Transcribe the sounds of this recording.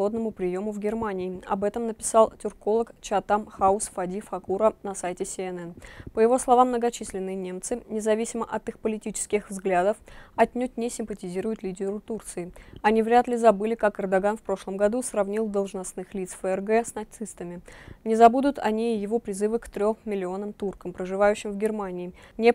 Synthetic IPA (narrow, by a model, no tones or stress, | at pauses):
od̪nəmʊpɾʲɪjo̞mʊvɡʲɪrmanʲɪːɐ̰bɛt̪əmnəpʲɪ̥sɑlˠtʲʊrko̞lˠəkt͡ɕɪɐt̪amxaʊsfɐdʲifɐkuɾənɐsajtʲɪsʲɪɛnɛnpəjɪvo̞slˠɐvamːnəɡɐt͡ɕisʲlʲɪnːɨjənʲemt̪sɨnʲɪzɐvʲisʲɪməʔɐt̪ɨxpəlʲɪtʲit͡ɕɪ̥skʲɪxvzɡlʲad̪əfɐtʲnʲut̚ʲnʲɪsʲɪmpətʲɪzʲiɾʊjʊt̪lʲidʲɪɾʊt̪urt̪sɨɪɐnʲivɾʲat̪lʲɪzɐbɨlʲɪkakɛrd̪ɐɡanfpɾo̞ʂlˠəmɡɐd̪usrɐvnʲilˠd̪əlˠʐnɐsnɨxlʲit̪sfəɛrɡɛsnɐt̪sɨst̪əmʲɪnʲɪzɐbud̪ʊt̪ʰɐ̰nʲiːjɪvo̞pɾʲɪzɨvɨkt̪ɾʲommʲɪlʲɪo̞nəmt̪urkəmpɾəʐɨvajʉɕːɪmvɡʲɪrmanʲɪːnʲe